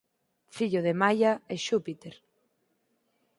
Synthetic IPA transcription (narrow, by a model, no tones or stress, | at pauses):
fiʎoðemajaeʃupit̪eɾ